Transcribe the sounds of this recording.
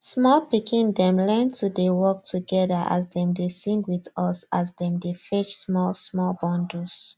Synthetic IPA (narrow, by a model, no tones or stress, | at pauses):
smɔlpikʰĩndɛ̃mlɛ̃ntʰudewɔk̚tʰuɡɛðəʔa̰zdɛ̃mdesĩŋɡwiðɔsazdɛ̃mdefɛt͡ʃsmɔlsmɔlbɔ̃ndus